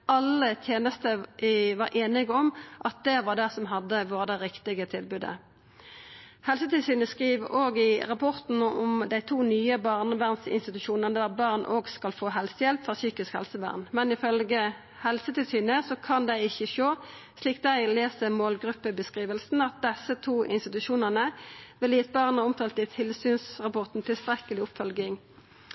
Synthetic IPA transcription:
ɑlːət̪ʰjeːnəst̪əʋɑɾʔeːnɪɡəɔmʔɑt̪̚d̪ɛʋɑʁd̪æsɔmɦɑd̪ːəʋoːʁəd̪ɛʁɪkt̪ɪɡət̪ʰɪlbʉːd̪ə̰ | hɛlsət̪ɪlsyːnəskʁiːʋoːɡɪʁɑpʰɔʁt̪n̩ɔmd̪æɪt̪ʰuːnyːəbɑʁnəʋæʁnsɪ̰nst̪ɪt̪ʉʃuːnənəd̪æʁbɑʁnʔo̰ːɡskɑlfoːɦɛlsəjɛlpfɔsyːkɪskhɛ̰lsəʋæ̰ːʁnmɛnɪfœlɡə | hɛlsət̪ɪlsyːnəsɔkʰɑnd̪æɪɪçəʃoː | sliːk̚d̪æɪleːsəmoːlɡʁʉpːəbəskʁiːʋəlsn̩ɑt̪̚d̪ɛsət̪ʰuːʔɪ̰nst̪ɪt̪ʉʃuːnəʁnəʋɛld̪iːt̪̚bɑʁnɑʁʊmt̪ʰɑːlt̪ɪt̪ʰɪlsyːnsʁɑpɔʁt̪n̩t̪ʰɪlst̪ʁɛkəlɪʊpfɔlɡɪŋ

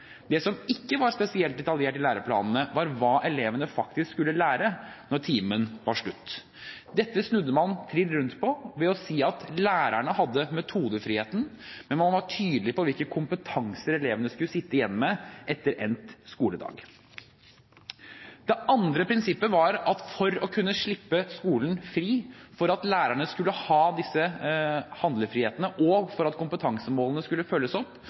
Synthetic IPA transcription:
d̪ɛsɔmɪkːəʋɑɾspɛsɪɛlt̪̚d̪ɛt̪ɑljeːʈɪlæːɾəpʰlɑ̰ːnn̩əʋɑɾʋɑːʔɛleːʋənəfɑkt̪ɪskskʉlːəlæːɾənɔɾʈʰiːmənʋɑʂɭʉt̪ː | d̪ɛt̪ːəsnʉd̪ːəmɑnt̪ʰɾɪlɾʉnt̪pʰɔʋɛɔsiːɑt̪læːɾæɳəhɑd̪ːəmɛt̪ʰuːd̪əfɾiːheːt̪n̩mɛnmɑnʋɑʈʰyːd̪lɪpɔʋɪlkəkʰʊmpət̪ʰɑŋsəɾɛleːʋənəskʉlːəsɪt̪ːəɪjɛnːmɛʔɛt̪ːəɾʔɛnt̪skuːləd̪ɑ̰ːɡ | d̪ɛʔɑnd̪ɾəpʰɾɪnsɪpːəʋɑɾɑt̪fɔɾɔkʰʉnːəʂɭɪpːəskuːln̩fɾiːfɔɾɑt̪læːɾæɳəskʉlːəhɑːd̪ɪsːə | hɑnd̪ləfɾiːheːt̪ənəʔɔɡfɔɾɑt̪kʰʊmpət̪ʰɑŋsəmoːlənəskʉlːəfœlːəsɔpː

